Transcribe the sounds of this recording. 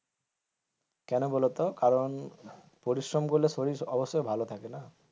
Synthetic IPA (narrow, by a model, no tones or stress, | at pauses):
kɛnɔbɔlɔt̪ɔkaɾɔn | poɾisɹɔmkoɾilesoɾiɔbɔsɔjbʱalɔt̪ʰakena